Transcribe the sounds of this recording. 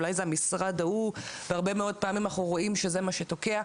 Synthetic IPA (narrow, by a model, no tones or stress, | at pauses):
lajzeamisʁadauveaʁbe̞meo̞d̚paːmimanaχuʁo̞imʃe̞zemaʃeto̞ke̞a